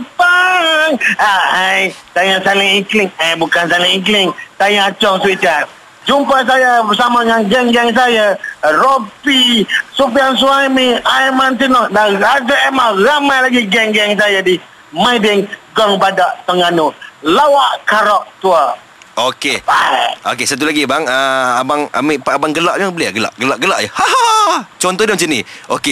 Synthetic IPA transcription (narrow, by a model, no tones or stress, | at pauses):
paŋaajt̪ajasalɪŋiklɪŋajbukansalɪŋiklɪŋt̪ajat͡ʃɔŋswit͡ʃan | d͡ʒumpas̬ajabəsamaŋanɡɛŋɡɛŋs̬ajaropisupians̬uajmiajmant̪inɔhdarad͡ʒaɛmahramajlaɡiɡɛŋɡɛŋs̬ajadi | majdɪŋɡɔŋbadaʔt̪əŋanulawaʔkaɾɔʔ̚t̪ua | ʔokeao̰kesat̪̬ulaɡibaŋəabaŋa̰miʔpaʔabaŋɡəlaʔaŋbəliaɡəla̰ʔɡəlaʔɡəlaʔjahaɦat͡ʃɔnt̪ɔhdamat͡ʃəniʔoke